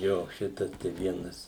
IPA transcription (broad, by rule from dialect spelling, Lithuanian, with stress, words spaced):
ˈjoː ˈʃʲɪtɐs tɐɪ ˈʋʲiɛnɐs